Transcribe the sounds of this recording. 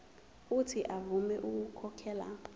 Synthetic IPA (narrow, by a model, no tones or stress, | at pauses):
utʰiʔavumɛʔuk̬ukʰɔkʰɛːla̰